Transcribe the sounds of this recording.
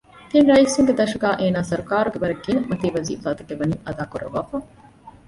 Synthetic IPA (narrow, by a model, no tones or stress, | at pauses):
t̪inɾɐisuŋɡed̪ɐʃɐɡaːʔeːnaːsɐɾukaːɾuɡeʋɐɾɐɡːiːnɐmɐt̪iːʋɐzḭːfaːt̪ɐɡeʋɐniːʔɐd̪aːkuɾɐ̰ʋaːfɐ